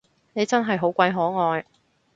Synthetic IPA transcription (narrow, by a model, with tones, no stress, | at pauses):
ne˨˧jt͡sɐ˥nɦɐ˨jɦo˨˥wkʷɐ˧jɦɔː˨˥ŋɔː˨˧j